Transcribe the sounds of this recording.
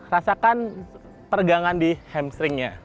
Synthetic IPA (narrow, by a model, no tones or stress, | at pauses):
rasakan | pərɡaŋandihɛmsɾɪŋɲa